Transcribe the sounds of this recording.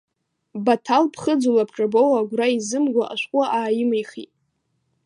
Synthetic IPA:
batʰalpʰχəd͡zulapʰʈ͡ʂʼabowaɡʷraizɨmɡʷaʔaʃʷqʷʼʊʔaːjɪmajχḭtʼ

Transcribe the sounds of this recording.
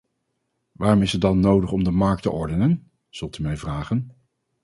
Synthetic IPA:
ʋaːrɔmɪsədɑnːowdəχɔmdəmɑɹk̚təʔɔɹdənən | z̥ɵlˠtymɛjvraːχən

